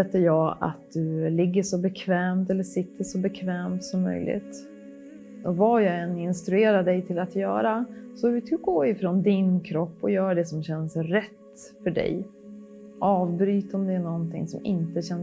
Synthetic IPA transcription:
ɛt̪ːəjɑːa̰t̪̚d̪ɵlɪɡːəʂɔbɛkʰvɛːmt̪ɛlːəʂɪt̪ʰːəʂɔbɛkʰvɛːmt̪sɔmːœ̰jlʔɪ̰t̪ | ɔvajɑɡɛnːɪnst̪ɾɵeːɾaɖɛjt̪ʰɪlat̪jœ̰ːɾasɔt̪ʰɡoːɪfɾɔnd̪ɪnkʰɾɔpːɔjœːɾaɖɛsɔmɕɛnsɾɛt̪ː | fœɖɛ̰j | ʔɑːvbɾyːt̪ɔmd̪ɛːnɔnt̪ʰɪ̰ŋsɔmɪ̰nt̪əɕɛn

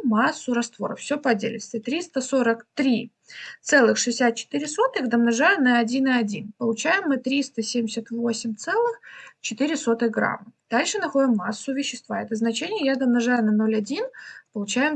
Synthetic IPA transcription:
masːʊɾɐst̪vo̞ɾəfsʲopɐdʲḛlʲɪ̰t̪st̪vʲɪt̪ɾʲist̪əsoɾəkt̪ɾʲi | t̪sɛlˠɨxʂɨɪsʲat̪̚t͡ɕɪ̥t̪ɨɾʲɪso̞t̪ɨxd̪əmnɐʐajʊnɐɐːdʲinɨɐdʲinpəlˠʊt͡ɕæjɪmːɨt̪ɾʲist̪əsʲemʲdʲɪsʲət̪vo̞sʲɪmʲt̪sɛlˠɨxt͡ɕɪt̪ɨɾʲɪso̞t̪ɨjɡɾa̰mːɨd̪̥alʲʂɨnɐxo̞dʲɪmːasːʊvʲɪɕːɪst̪va̰ɛt̪əznɐt͡ɕenʲɪjəjad̪əmnɐʐajʊnɐno̞lʲɐdʲinpəlˠʊt͡ɕæjɪm

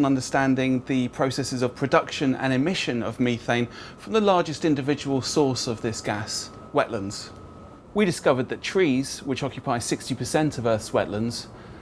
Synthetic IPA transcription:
nʌ̃ndəstæ̃ndɪ̃ŋðəpʰɹ̥əʊsɛsɪzəv̥pʰɹ̥ədʌkʃə̃nə̰̃nɪmɪʃə̃nə̰vmiˑθẽɪ̃nfɹə̃mðəlɑːd͡ʒɪstɪ̃ndɪvɪd͡ʒəwəlˠsɔˑsəvðɪsɡ̥as | wɛʔlə̃ndz̥ | wiɾɪskʌvəd̪̚ðətʰɹ̥iːz̥wɪt͡ʃɒkjɨpʰaɪsɪkstipʰəsɛ̃ntʰəvɜˑθwɛ̰ʔlə̃ndz̥

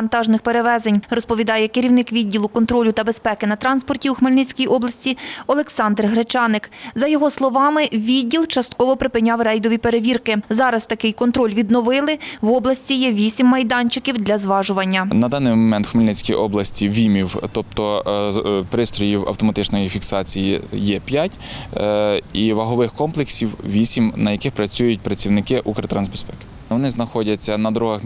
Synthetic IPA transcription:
nt̪ɑʒnɪxpe̞ɾeʋɛzenʲrɔspɔʋʲid̪ɑjɛkeɾʲiwnɪkʋʲidʲːilˠʊkɔnt̪ɾɔlʲʊt̪ɐbespɛkɪnɐt̪ɾɑnspɔrtʲiuxmelʲnɪt͡sʲkʲijʔɔblˠɐsʲtʲiɔlˠeksɑnd̪rɦɾet͡ʃɑnɪkzɐjɔɦɔslˠɔʋɑmɪʋʲidʲːilˠt͡ʃɐst̪̚kɔʋɔpɾɪpɪnʲɑwrɛjd̪ɔʋʲipe̞ɾeʋʲirkɪzɑɾɐst̪ɐkɪjkɔnt̪ɾɔlʲʋʲid̪nɔʋɪlˠɪʋɔblˠɐsʲt͡sʲijɛʋʲisʲimːɐjd̪ɑnʲt͡ʃɪkʲiwd̪lʲɐzʋɑʒʊʋɐnʲːɐnɐd̪ɑnɪmɔmɛnt̪xʊmɪlʲnɛt͡sʲkʲijʔɔblˠɐsʲtʲiʋʲimʲiwt̪ɔp̚t̪ɔ | pɾɪst̪ɾɔjiwɐ̰wt̪ɔmɐt̪ɪt͡ʃnɔjifʲiksɑt͡sʲijḭjɛpʲjatʲ | iʋɐɦɔʋɪxkɔmplˠeksʲiwʋʲisʲimnɐjɐkɪxpɾɐt͡sʲujʊt̚ʲpɾɐt͡sʲiwnɪkɪʔukɾɐt̪ɾɑnzʲbespɛkɪ̥ | ʋɔnɪznɐxɔdʲɐt͡sʲːɐnɐd̪ɾuɦɐx

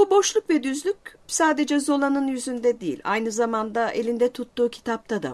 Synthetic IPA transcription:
bubo̞ʃlˠukvɛd̪yzlʲycʲsaːd̪e̞d͡ʒɛzo̞lˠanɯnjyzynd̪ɛd̪ijḭlʲa̰jnɯzamand̪aʔelʲind̪ɛt̪ʰut̪ːuːcʰi̥t̪ʰap̚t̪ʰad̪a̰

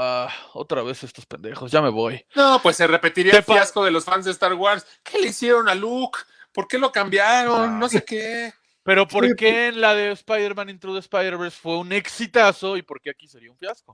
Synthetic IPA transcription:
ao̞̰t̪ɾaβe̞sest̪ospend̪e̞xo̞sʝame̞βo̞jnopwesːere̞pe̞t̪iɾiaefjasko̞ðelo̞sfanzðest̪aɾɣwaɾs | ke̞le̞isje̞ɾo̞nalukpo̞ɾke̞lo̞kambjaɾo̞nːo̞seke | pe̞ɾo̞po̞ɾkeːnlaðe̞spajðeɾmãnĩnt̪ɾuðespajðeɾβeɾsfwe̞une̞ksit̪aso̞ipo̞ɾke̞akiseɾiauɱfjasko

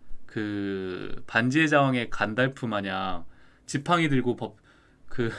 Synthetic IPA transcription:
kɯ | pand͡ʑied͡ʑawaŋe̞kandaɭpʰumaɲaŋ | t͡ɕipʰaŋidɯɭɡopʌp̚ | kɯ

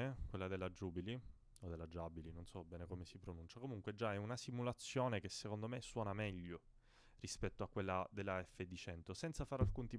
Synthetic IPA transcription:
ekwelːad̪elːad͡ʒuːbili | od̪elːad͡ʒabilinonsɔbɛːnekomesipɾonunt͡ʃakomuŋkwed͡ʒːaɛunasimulat̪sːjoːnekesːekond̪omesːwɔːnamɛʎːo | rispɛt̪ːoakːwelːad̪elːaɛfːed̪it͡ʃɛnt̪osɛnt̪safaːɾalkunt̪ip

